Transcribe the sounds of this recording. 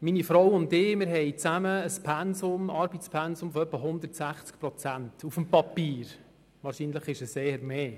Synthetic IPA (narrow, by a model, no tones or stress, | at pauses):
minifɾɔwʊntɪːmɪɾɦɛɪt͡sæməːspʰɛnsʊmɑɾbitt͡spʰɛnsʊmfɔœpːəɦʊnd̪ərtsæχt͡skpɾɔt͡sæntufəmpɑpiːɾ | ʋɑːɾʃiːnləχɪʃəseːəɾmeː